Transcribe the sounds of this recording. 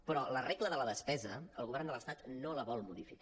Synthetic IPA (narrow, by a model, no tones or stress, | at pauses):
pɾɔlərekləðələðəspɛzəəlˠɣuβɛrnd̪ələst̪at̪noləβɔlˠmuðifik